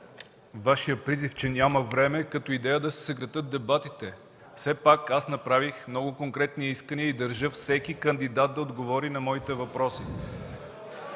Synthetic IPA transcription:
vaʃijəpɾizift͡ʃɛnʲaməvɾɛmɛkɐt̪ɔid̪ɛjəd̪ɐsɛ̥sɐɡɾɐt̪ɤt̪̚d̪ɛbat̪it̪ɛ | fsɛpakasnɐpɾavixmnɔɡʊkoŋkɾɛt̪niiskəniəid̪ɐɾʒɤfsɛkikɐnd̪id̪at̪̚d̪ɐod̪ɡovɔɾinɐmɔit̪ɛvɐpɾɔsi

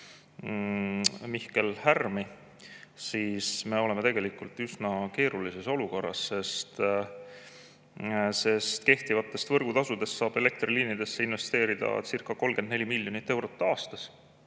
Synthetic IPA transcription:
mihke̞lhærmi | siːsme̞o̞le̞me̞t̪e̞ɡ̥e̞likult̪ˑysnɑke̞ːɾulise̞so̞luko̞rːɑ̰sse̞st̪ | se̞st̪ke̞ht̪ivɑt̪ːˑe̞st̪vɤ̞rɡ̥ut̪ɑsud̪e̞st̪ːsɑːb̥e̞le̞k̚t̪riliːnid̪̥e̞sːe̞inve̞st̪e̞ːɾid̪̥ɑ̰sirkːˑɑko̞lɡ̥enelʲimilʲjo̞nit̪ːe̞wɾo̞t̪ːɑːst̪ɑs

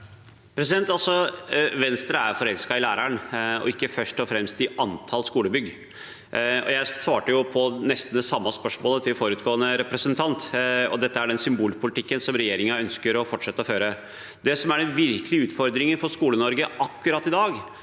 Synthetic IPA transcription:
pʰɾɛs̬ɪd̪ɛnt̪ɑlsɔʋɛnst̪ɾəæɾfɔɾɛlskɑɪlæːɾæɳɔ̰ɪkːəfœʂʈɔfɾɛmst̪ɪʔɑnt̪ʰɑlskuːləbʏɡ | ɔ̰jæɪsʋɑːʈəjʊpʰɔnɛst̪n̩d̪ɛsɑmːɑspœʂmoːlət̪ʰɪlfɔɾʉːt̪ɡoːənəɾɛpɾɛsənt̪ʰɑnt̪ɔ̰d̪ɛt̪ːəæɖɛnsʏmbuːlpʰʊlɪt̪ɪkːənsɔmɾɛjeːɾɪŋɑœnskəɾɔfɔʈʂɛt̪ːəɔføːɾə | d̪ɛsɔmæɖɛnʋɪɾklɪʉːt̪fɔɾd̪ɾɪŋəfɔʂkuːlənɔɾɡəʔɑkːʉɾɑt̪ːɪd̪ɑːɡ

